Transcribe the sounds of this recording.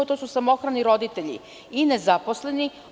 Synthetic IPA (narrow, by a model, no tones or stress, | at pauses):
ot̪osusamo̞xɾaniɾo̞d̪it̪e̞ʎḭ | inezaposle̞ni